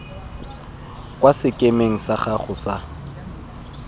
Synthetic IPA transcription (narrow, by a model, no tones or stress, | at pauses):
kʼwasɪkʼemeŋ̩saχaχʊsa